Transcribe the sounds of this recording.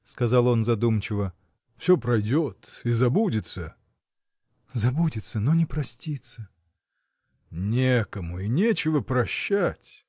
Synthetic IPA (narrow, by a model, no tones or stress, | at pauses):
skɐzɑlˠo̞nzɐd̪umt͡ɕɪvə | fsʲopɾɐjdʲot̪izɐbudʲɪt̪sə | zɐbudʲɪt̪sənonʲɪpɾɐsʲtʲit̪sə | nʲekəmʊinʲet͡ɕɪvəpɾɐɕːætʲ